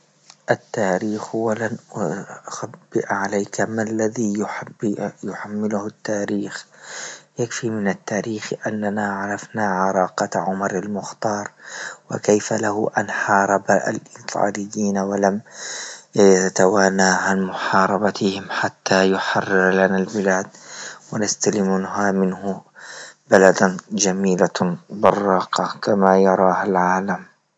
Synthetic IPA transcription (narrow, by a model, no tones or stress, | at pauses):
ʔat̪ːaːɾiːxhʊwːalanʊxabːɪʔʕalajkamalːaðiːj | jʊħamːɪlʊhʊt̪ːaːɾiːx | jakfimɪnat̪ːaːɾiːxʔanːanaːʕɑɾˤɑfnaːʕɑɾˤɑːqɑʕʊmɑɾˤalmʊxt̪ɑːɾˤwɪ̰kajfalahʊʔa̰nħɑːɾˤɑbaa̰lʔɪːt̪ˤʰɑ̰ːlɪjːiːnawalam | jt̪awaːnːaːhanmʊħɑːɾˤɑbat̪ɪhɪmħat̪ːaːjʊħɑrːɪɾlanalbɪlaːd̪wanast̪alɪmʊnɦamɪnhʊ | balad̪d͡ʒamiːlabɪrˤːɑːqɑkamaːjɑɾˤɑːhalʕaːlam